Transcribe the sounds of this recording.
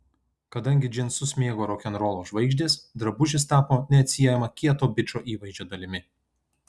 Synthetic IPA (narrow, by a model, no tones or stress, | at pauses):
kɐd̪ɐŋʲɡʲɪd͡ʒʲɪnsʊsʲmʲeːɡoːɾɔkʲɛnɾoːlˠoːʒʋɐɪɡʒʲd̪ʲeːsd̪ɾɐbʊʒʲɪst̪ɑːpoːnʲɛɐt̪ʲsʲijɛjɛmɐkʲiɛt̪oːbʲɪt͡ʃoːʔiːʋɐɪzʲd͡ʒʲoːd̪ɐlʲɪmʲɪ